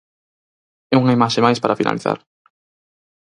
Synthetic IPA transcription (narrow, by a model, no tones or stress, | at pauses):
ɛuŋaimaʃemajspaɾafina̰liθa̰ɾ